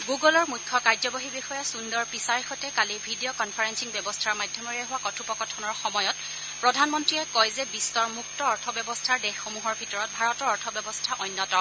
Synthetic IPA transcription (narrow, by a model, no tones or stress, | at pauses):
ɡuɡɔlɔɹmujkʰːɔkaɹzɔbɔɦibixɔjasundɔɹpisaɹixɔtɛkalibʱidijɔkɔnpʰaɹensiŋbɛbɔstʰaɹmadʱjɔmɔɹɛɦʊwakɔtʰupɔkɔtʰɔnɔɹxɔmɔjɔt | pɹɔdʱanmɔntɹiɛkɔjzɛbisɔɹmuktɔɔɹtʰɔbjɔbɔstʰaɹdɛxːomuɦɔɹbʱitɔɹɔt̚bʱaɹɔtɔɹɔɹtʰɔbjɔbɔstʰaʔɔjnːɔtɔ